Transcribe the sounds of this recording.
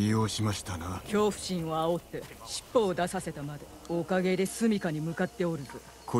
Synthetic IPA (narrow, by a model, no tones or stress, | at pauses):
ioːɕimaɕi̥t̪anakʲo̞ːɸɯ̟̥ɕĩɰ̃oao̞t̪ːe̞ɕi̥pːoːd̪asase̞t̪amad̪e | okaɡe̞d̪e̞sɨmʲikaɲ̟imɯ̟kat̪ːe̞o̞ɾɯ̟zɨ | kʰo